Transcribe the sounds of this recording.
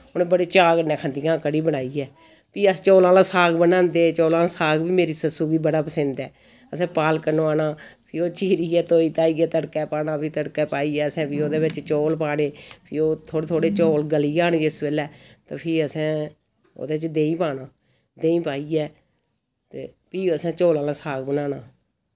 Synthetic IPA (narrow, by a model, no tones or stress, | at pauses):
oːnẽːbəɽeːt͡ʃaːɡənɛːkʰə̃nd̪ijãːkəɽiːbəɽaːiːɛː | piːət͡ʃɔːlãːlãːsaːɡbənãːnd̪eːt͡ʃoːlãːlãːsaːɡbiːmeːɾiːsəsuːɡiːbəɽaːpəsə̃nd̪ɛː | əsɛ̃ːpaːlkəɾnõːaːnaːpʰɪoːt͡ʃiːɾiːɛːt̪oːiːt̪aːiːɛːt̪əɽkɛːpaːnãːpʰiːt̪əɽkɛːpaːiːɛːəsɛ̃ːpiːoːd̪eːʋɪt͡ʃt͡ʃoːlpaːɽeːpʰɪoːt̪ʰoːɽet̪ʰoːɽeːt͡ʃoːlɡəliːaːnĩːɪsbeːlɛːt̪ãːpʰɪːəsɛ̃ː | o̰ːd̪eːɪt͡ʃd̪eːĩːpaːnaː | d̪eːĩːpaːiːɛː | t̪ḛː | piːəsɛ̃ːt͡ʃoːlãːlãːsaːɡbənãːnaː